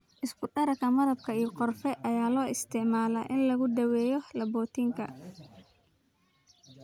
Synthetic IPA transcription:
ʔɪskʰʊɖɐɾɐkʰɐmɐɾɐb̚kʰɐijɔqɔrfɛʔɐjaːlɔːʔɪst̪ʰɪʕmaːlɐ̰ːʔɪnlɐɣʊd̪ɐwɛːjɔlɐbɔːt̪ʰiːŋkʰɐ̰

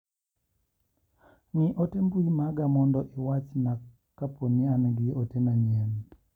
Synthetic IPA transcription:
ŋiʔotembuimaɡamɔndɔʔewat͡ʃna | kapʰonianɡɪotenanjen

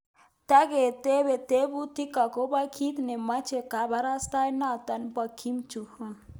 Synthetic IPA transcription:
t̪aɡet̪eβet̪ebut̪ikakobakʰit̪nemat͡ʃʰekabʱaɾast̪ajnat̪ɐnbəkʰimt͡ʃuhu

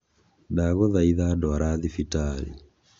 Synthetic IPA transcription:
daɣɔðaiðadɔaɾaðifitalḭ

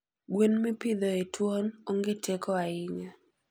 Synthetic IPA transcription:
ɡwenmipɪd̪ɔetwonoŋɡetekʰɔaɪɲa

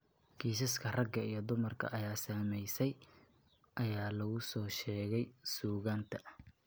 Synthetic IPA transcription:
ɡʰiːs̬ɐskʰɐrɐɡɐijɞd̪ʊmɐrkʰɐ̰ʔɐjaːsaːmɛjsɛj | ʔɐjaːlɐɣʊsɔːʃɛːɣɛjsuːɣaːnt̪ʰɐ

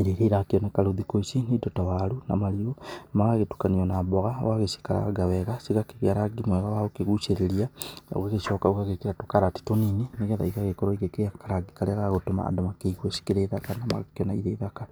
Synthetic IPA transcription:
iɾeɾeɾakeonekaɾoðikoisinidotawaluna̰maliomaɣaɣetu̥kaniɔnaboɣawaɣesi̥kaɾa̰ɡaweɣasiɣakeβjaɾaɡimweɣawaokeɣut͡ʃeɾelia̰ɣeɣeʃokaokaɣekeɾatokaɾati̥tonineneɣɛða̰iɣaɣekoɾoiɣekeakaɾaɡikaleɣaɣotoma̰ːdomakeiɣwesi̥keɾeðakanama̰ɣaknaiðeːðaka

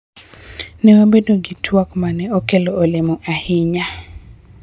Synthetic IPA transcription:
nɛwabedoɡitʰwakmanɛokeloːlemɔʔahɪɲa

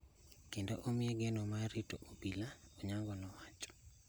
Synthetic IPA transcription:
kendoʔomɪɛɡɛnomaɾito̰ʔobilaoɲaŋɡɔnɔwat͡ʃɔ̥

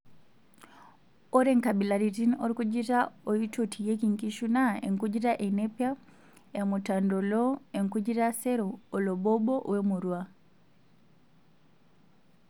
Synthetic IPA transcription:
ɔɾɛŋkabilaɾitinɔɾikud͡ʒitaɔjitotʰijekiŋkiʃunaeŋkud͡ʒiɾaʔɛnɛpja | jamutandɔlɔeŋkud͡ʒiɾasɛɾɔːlɔbɔbɔwɛmuɾwa

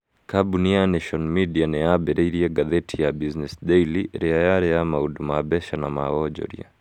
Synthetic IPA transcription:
kabunianɛʃɔnmidianɛabɛɾʔɛiɾiɛɡaðɛtʰijabiznɛsdɛiliɾɛajaɾɛamaudumabɛʃanamawɔd͡ʒɔ̰ɾḭa̰

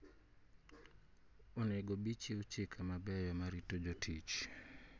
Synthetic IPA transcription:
ɔnɛɡɔbit͡ʃiut͡ʃɪkʰamabɛjɔmaɾitod͡ʒɔtʰit͡ʃ

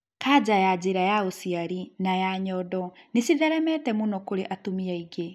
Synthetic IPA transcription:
kad͡ʑajad͡ʑeɾajaosiaɾinajaɲɔdɔnesiðɛɾɛmɛtɛmunɔkoɾeʔatomiaiɡe

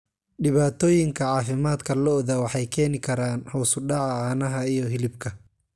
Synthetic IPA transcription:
ɖɪβaːt̪ʰɔːjɪŋkʰɐʕɑːfɪmaːd̪kʰɐlɔðɐwɑħɑjkʰɛːnɪkʰɐɾaːnhɔwsʊɖɑʕaːnɐɦɐijɔɦɪlɪbkʰɐ

